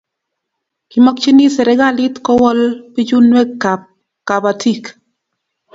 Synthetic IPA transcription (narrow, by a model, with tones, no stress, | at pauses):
ki˨mɔ˦k̚t͡ʃi˦ni˦sɛ˨ɾɛ˨˦ɡa˦li˦tkɔ˦wɔ˦lpi˦d͡ʒu˦nwɛ˦kːa˨p̚ | ka˨ba˨tʰi˦˨k